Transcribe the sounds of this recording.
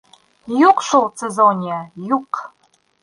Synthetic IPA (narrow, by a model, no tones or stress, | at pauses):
juqʃulˠsezonʲijəjuq